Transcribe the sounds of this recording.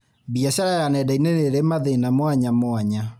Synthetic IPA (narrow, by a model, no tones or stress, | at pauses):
biasaɾajanɛdaineneɾemaðenamwaɲamwaɲa